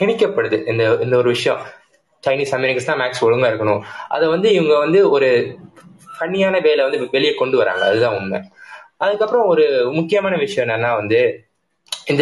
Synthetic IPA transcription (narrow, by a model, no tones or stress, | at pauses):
kɪɳɪkːɐpːɐɽɯðɯʔɪnd̪ɐɪnd̪ɐɔɾɯʋɪʂɐjɐ̃ | t͡ʃɐɪniːsɐmɛɾɪkːɐst̪ãːmaːksɔɻɯŋɡaɪɾɯkːɐɳʊ̃ʔɐ̰ðɛʋɐnd̪ɯɪʋɐŋɡɐʋɐnd̪ɯɔɾɯ | pɐɳːɪjaːnɐʋeːlɐʋɐnd̪ɯʋɛɭɪjɐkɔɳɖɯʋɐɾa̰ːŋɡɐɐðɯt̪ãːʊnmɛ̰ʔɐðɯkːɐpːɯɾɐ̃ɔɾɯmʊkːɪjɐmaːnɐʋɪʂɐjɐ̃ɛnːɐnːaːʋɐnd̪ɯ | ɪnd̪ɐ